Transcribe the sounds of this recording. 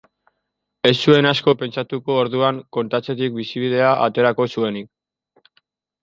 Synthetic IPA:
e̞sːue̞nasko̞pe̞nt͡ʃat̪uko̞ːɾðuaŋko̞nt̪at͡se̞t̪̬ik̚bisiβ̞ið̞e̞aʔat̪e̞ɾako̞sue̞nik̚

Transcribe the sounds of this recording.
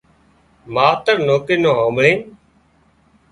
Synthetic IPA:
maːt̪əɾnoːkiːnõːɦãːmɭẽː

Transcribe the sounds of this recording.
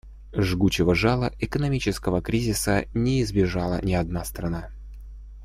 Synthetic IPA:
ʐɡut͡ɕɪvəʐalˠəʔɪkənɐmʲit͡ɕɪskəvəkɾʲizʲɪsənʲɪːzbʲɪʐɑlˠə̰nʲɪɐd̪nast̪ɾɐna

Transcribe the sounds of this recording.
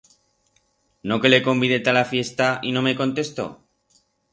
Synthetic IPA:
no̞ke̞le̞ko̞mbiðe̞t̪alafjest̪aino̞me̞ko̞nt̪e̞st̪o̞̰

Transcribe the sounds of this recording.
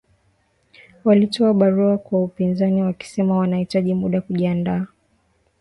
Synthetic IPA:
walitɔaɓaɾuakwaupinzaniwaki̥sɛmawanahitaʄimuɗakuʄiandaː

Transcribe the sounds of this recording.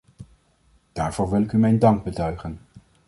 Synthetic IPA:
d̥aːɹvʊːɹʋɪlɪkymɛjndɑŋɡ̚bətœɥχən

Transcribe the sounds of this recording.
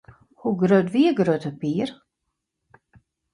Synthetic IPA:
huɡɾœd̪viːɡɾøːt̪ʰəpiːɾ

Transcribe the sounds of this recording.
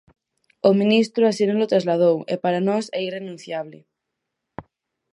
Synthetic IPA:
omĩnist̪ɾoasinolot̪ɾazlaðowḛpaɾanɔsɛirenũn̟θjaβle

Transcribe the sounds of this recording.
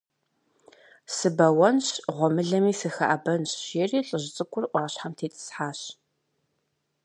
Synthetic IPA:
sɨbɐwɐnɕʁʷɔmɨɮɐmiːsɨxɐ̰ʔɐbɐnɕɕeriːɬʼəʑt͡sʼɨkʷʼʊrʔʷɑːɕħamtʰeːt͡sʼɨ̥sħaːɕ

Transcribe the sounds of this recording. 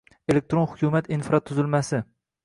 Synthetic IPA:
elek̚t̪ɾonχʊ̥kʲʰumat̪infɾɑt̪ʰːʊzɪlmasɪ

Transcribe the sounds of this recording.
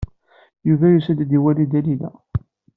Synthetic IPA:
juvæjusæd̪d̪iwælid̪ælilæ̰

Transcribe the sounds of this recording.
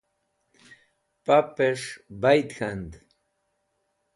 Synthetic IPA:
papeʂbajd̪xand̪

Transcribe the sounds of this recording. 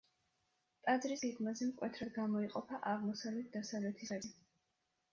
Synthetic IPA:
t̪ʼad̪zɾisɡɛɡmazɛmkʼwɛt̪ʰɾad̪ɡamɔiqʼɔpʰaʔaʁmɔsavlɛt̪̚ʰd̪asavlɛt̪ʰisaɛ

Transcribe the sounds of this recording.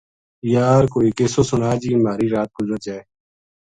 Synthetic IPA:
jaːɾkoːiːkeːsoːsʊnaːd͡ʒiːmaːɾiːɾaːt̪̚ɡʊzəɾt͡ʃaːe

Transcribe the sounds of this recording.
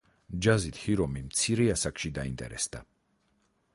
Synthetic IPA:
d͡ʒazit̪ʰhiɾɔmimt̪sʰiɾɛasakʼʃid̪aint̪ʼɛ̰ɾɛ̰sd̪̥a

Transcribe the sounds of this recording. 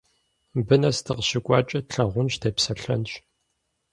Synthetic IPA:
bɨnɐstʰɨqɕɪkʷʼɑːt͡ʃʼɐtɬɐʁʷʊnɕtʰɐpsɐɬɐ̰nɕʼ

